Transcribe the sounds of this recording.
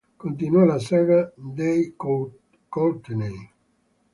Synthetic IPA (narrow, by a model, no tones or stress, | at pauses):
kont̪̬inwɔlasɛːɡad̪ej | kolt̪nej